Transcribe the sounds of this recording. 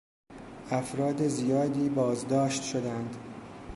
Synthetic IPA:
ʔæfɾɒːd̪e̞zijɒːd̪iːbɒːzd̪ɒːʃt̪ʃod̪ænd̪

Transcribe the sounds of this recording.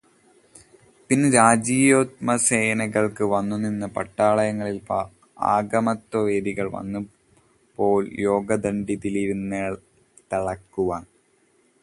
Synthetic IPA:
pinːɨɾaːd͡ʑiːjoːt̪̚mɐseːnɐɣɐɭkɨʋɐnːuninːɨpɐ̰ʈːaːɭɐjɐŋːɐɭilp | a̰ːɡɐmɐt̪wɐʋe̞ːd̪iɣɐɭʋɐ̰nːu | po̞ːljo̞ːɡɐd̪ɐɳɖid̪iliʋnɐɭ | t̪ɐɭɐkːuʋaːɳ

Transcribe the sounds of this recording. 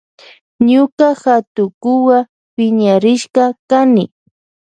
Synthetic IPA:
ɲʊkaxat̪ʊkʊwa | pɪɲaɾɪʃqɑkanɪ

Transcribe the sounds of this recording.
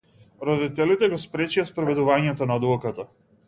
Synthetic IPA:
ɾɔd̪it̪ɛlit̪ɛɡɔspɾɛt͡ʃijaspɾɔvɛd̪uvaɲɛt̪ɔnad̪ɔkat̪a

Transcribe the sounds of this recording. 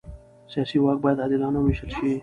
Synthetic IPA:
sijɑːsiwɑːk̚bɑːjəd̪ɑːd̪ɪlɑːnawɪʃəlʃi

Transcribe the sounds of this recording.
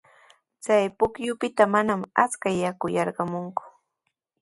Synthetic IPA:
t͡sajpʊkjʊpɪt̪amanama̰t͡skajakʊjɑɾɢɑmʊŋkʊ̥

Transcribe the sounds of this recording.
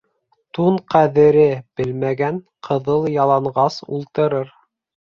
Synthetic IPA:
t̪uɴqæðɘ̆ɾɘb̥ɘlmæɡæn | qʰɤ̆ðɤlˠjɑlˠɑɴʁɑsṵlˠt̪ɤ̆ɾɤɾ

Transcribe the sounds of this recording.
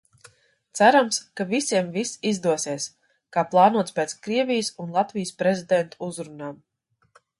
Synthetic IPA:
t̪sæɾamskavisiɛmvisizd̪uɔsiɛs | kaːplˠɑːnuɔt̪spɛːt̪skɾiɛvʲijəsunlˠat̪vijəspɾezʲid̪ɛnt̪uuzɾunaːm

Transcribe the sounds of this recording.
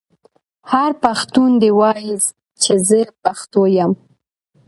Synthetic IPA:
haɾpaxt̪und̪ewɑjz | t͡ʃezəpaxt̪ojam

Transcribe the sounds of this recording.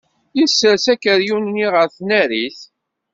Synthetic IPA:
isəsækəɾjunːiʁəɾθnæɾiθ

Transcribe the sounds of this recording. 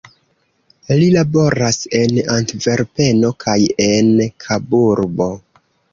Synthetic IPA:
lilabo̞ɾase̞nantve̞ɾpe̞no̞kʰaje̞nkʰabuɾbo̞

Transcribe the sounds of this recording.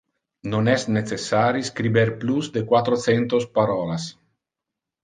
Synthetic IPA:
nonɛsnet͡sesaɾiskɾibeɾpluzd̪ekwat̪ɾot͡sent̪ospaɾɔlas

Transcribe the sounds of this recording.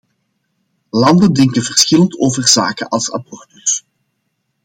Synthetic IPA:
lɑndəndɪŋkənvərsxɪləntoːvərza̰ːkə̰nʔɑlˠsɑ̰bɔrtərs

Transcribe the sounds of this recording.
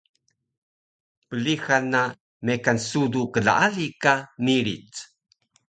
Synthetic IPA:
pəlixanːa | mekansudukəɮa̰ʔalikamiɾit͡s

